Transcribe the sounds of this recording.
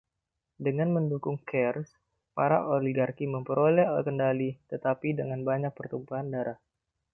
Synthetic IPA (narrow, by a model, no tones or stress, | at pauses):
dəŋanməndukʊŋkɛrs | paɾa̰ʔoliɡarkiməmpəɾʔolɛhakəndalit̪ət̪apidəŋanbaɲak̚pərt̪umpaɦandaɾʔah